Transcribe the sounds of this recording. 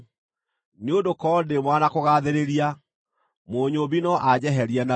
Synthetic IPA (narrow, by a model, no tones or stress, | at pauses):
neondokɔdemwanakoɣaðeɾeɾia | moːɲoβinɔʔad͡ʑɛɦɛɾiɛna